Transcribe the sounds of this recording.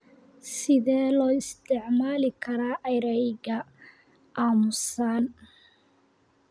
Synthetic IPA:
sɪðɛːlɔːɪst̪ʰɪʕmaːlɪkʰɐɾaːʔɛjɾɛjɣɐ | ʔaːmʊsan

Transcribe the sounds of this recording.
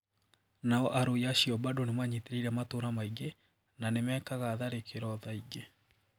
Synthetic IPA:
naɔʔaɾoiaɕiɔbadonemaɲeteɾiɾɛmatoɾamaiɡe | nanemɛkaɣaðaɾekʰeɾɔðaiɡe

